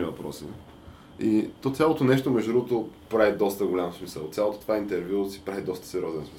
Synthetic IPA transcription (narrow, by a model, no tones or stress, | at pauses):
ivɐpɾɔ̰sḭ | it̪ɔt̪sʲalˠot̪onɛʃt̪omɛʒd̪ud̪ɾuɡʊt̪opɾavid̪ɔst̪əɡolʲamfsmisə̰lˠt̪sʲjalˠot̪o̥t̪ovaint̪ɛɾvjusi̥pɾavid̪ɔst̪ə̥sɛɾʲjɔzɛnsmi